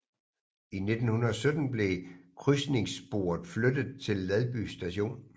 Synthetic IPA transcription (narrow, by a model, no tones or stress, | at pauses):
ine̝d̥n̩hunɐɒ̽sød̥n̩b̥le̝kʰʁysne̝ŋsb̥o̝̰ːɐð̩ˠflød̥ð̩ˠt͡sʰe̝lːæðˠb̥y̰sd̥æɕo̝̰ːn